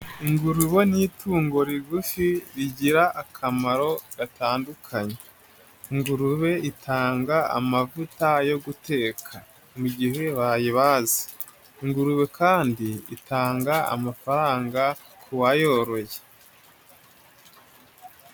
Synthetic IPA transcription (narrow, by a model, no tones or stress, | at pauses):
iŋɡuɾuβo̞nituːŋɡo̞ɾiɡufiɾiɟiɾaʔːkʰamaɾo̞ɡataːndukʰaɲe | iŋɡuɾuβe̞itʰaːŋɡaa̰mavutajo̞ɡute̞ːkʰa | muɟihe̞βajiβaːzi̥ | iŋɡuɾuβe̞kʰaːndiḭtaːŋɡaa̰mafaɾaːŋɡa | kʰuwajoɾo̞je